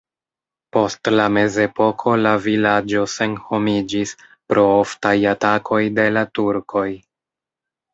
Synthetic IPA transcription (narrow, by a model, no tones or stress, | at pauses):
po̞stlame̞ze̞po̞kʰo̞lavilad͡ʒo̞se̞nho̞mid͡ʒis | pɾo̞oftajatakʰo̞jde̞latuɾkʰo̞j